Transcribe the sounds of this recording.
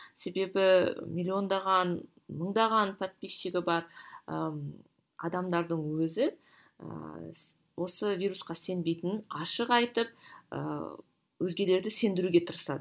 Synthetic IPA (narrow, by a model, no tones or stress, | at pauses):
se̞be̞bɪmʲilʲːio̞nd̪ɑʁɑn | məɴd̪ɑʁɑnpʰat̪̚pisʃeɡʲɪbɑɾə̰ | ɑ̰d̪ɑmd̪ɑɾd̪əɴwɵzɪ | ə̰ | wʔo̞səvijɾusqɑse̞nbe̞jt̪ɪnɑʃəqɑjt̪əp̚ə̰ | wɵzɡʲe̞le̞ɾd̪ɪse̞nd̪ɪɾuɡʲe̞t̪ʰəɾəsɑd̪ə